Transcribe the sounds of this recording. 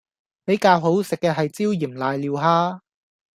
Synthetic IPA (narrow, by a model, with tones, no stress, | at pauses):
pe˨˥jkaː˧wɦo˨˥wsɪ˨kːɛː˧ɦɐ˨jt͡siː˥wjiː˨˩mlaː˨˧jliː˨˧wɦaː˥